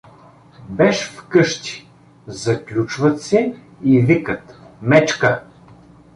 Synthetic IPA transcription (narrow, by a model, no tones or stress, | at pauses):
bɛʃfkɤʃt̪i̥ | zɐklʲut͡ʃvɐt̪sɛ | ivikət̪mɛt͡ʃkə